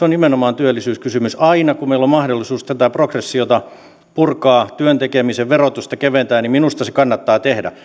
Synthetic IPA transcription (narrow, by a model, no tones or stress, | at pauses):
seonimenomɑːnt̪yølːisyːskysymysɑinɑkumeilommɑhdolːˑisuːst̪æt̪æprokresːiot̪ɑ | purkɑːt̪yønt̪ekemiseʋʋerot̪ust̪ɑkeʋent̪æːnnimminust̪ɑsekɑnːɑt̪ːɑːt̪ehdæ̰